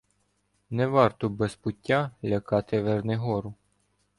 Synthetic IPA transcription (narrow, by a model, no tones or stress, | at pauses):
nɛʋɑrt̪ɔbɛspʊtʲːalʲɐkɑt̪ɪʋernɛɦɔɾʊ